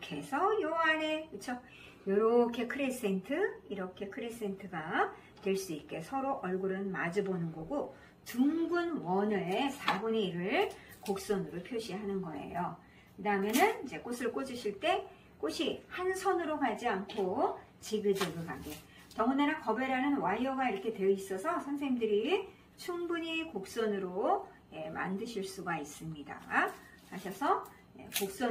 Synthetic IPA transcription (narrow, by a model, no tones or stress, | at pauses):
kʰe̞sʰʌjoaɾekɯt͡ɕʰo | joɾʌkʰe̞kʰɯɾes͈entʰɯiɾʌkʰe̞kʰɯɾes͈e̞ntʰɯɡa | twe̞ɭs͈uit̚k͈e̞sʰʌɾoʔʌɭɡuɾɯnma̰d͡ʑɯbonɯnɡoɡo | tuŋŋɡunwʌnɯɭsabuneiɾɯɭkok̚s͈ʌnɯɾopʰjoɕʰiɦanɯnɡʌe̞̰jo | kɯdaɯmjʌnɯnid͡ʑe̞k͈osʰɯɭk͈od͡ʑiɕʰiɭt͈e̞ | k͈oɕʰihansʰʌnɯɾokad͡ʑiankʰo | t͡ɕiɡɯd͡ʑʌɡɯɭka̰me | tʌŋɯneɾakʌbe̞ɾanɯnwajʌɡaiɾʌkʰe̞tweis͈ʌsʰʌsʰʌnsʰeɲimdɯɾi | t͡ɕʰuŋbuɲikok̚s͈ʌnɯɾo | je̞ma̰ndɯɕʰiɭs͈uɡais͈ɯmɲida̰ | haɕʰʌsʰʌ | je̞̰kok̚s͈ʌ